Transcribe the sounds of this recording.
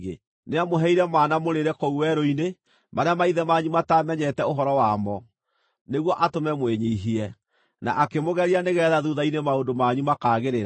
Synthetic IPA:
e | neamoɦɛiɾɛmanamoɾeɾɛkouwɛɾoine | maɾeamaiðɛmaːɲumatamɛɲɛtɛoɦɔɾɔwamɔ | neɣwɔʔatomɛmweɲeiɦiɛ | na̰ʔakemoɣɛɾianeɣɛðaðuðainemaondomaɲumakaːɣeɾeɾa

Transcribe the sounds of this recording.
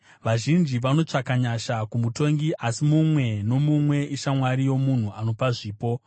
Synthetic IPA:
ʋaʒind͡ʒiʋano̞t͡ʂakaɲaʃakumuto̞ŋɡiʔasimumwe̞no̞mumwe̞ʔiʃamwaɾijo̞mun̤uano̞paʐiːpo̞

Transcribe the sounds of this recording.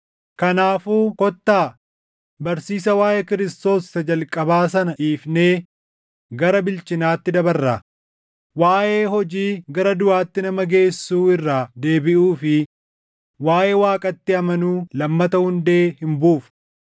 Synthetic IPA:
kɐnaːfuːkɔt̪ːaː | bɐɾsiːsɐwaːjekɪɾɪst̪o̞ːsːɐd͡ʒɐlkʼɐbaːs̬ɐnɐʔiːfne̞ː | ɡɐɾɐbɪlt͡ʃɪnaːt̪ːɪd̪ɐbɐrːa | waːʔe̞ːɦɔd͡ʒiːɡɐɾɐd̪ʊʔaːt̪ːɪnɐmɐɡe̞ːsːuːɪrːaːd̪e̞ːbɪʔuːfɪ | waːjʔeːwaːkʼɐt̪ːɪɐmɐnuːlɐmːɐt̪ɐhʊnd̪e̞ːhɪmbuːf

